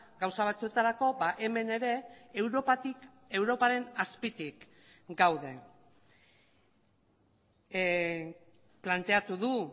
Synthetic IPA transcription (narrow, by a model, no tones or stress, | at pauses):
ɡawsaβ̞at͡sue̞t̪aɾako̞baʔe̞me̞ne̞ɾe̞wɾoi | e̞wɾo̞paɾe̞naspit̪ik | ɡawðe̞ | plant̪e̞at̪uðu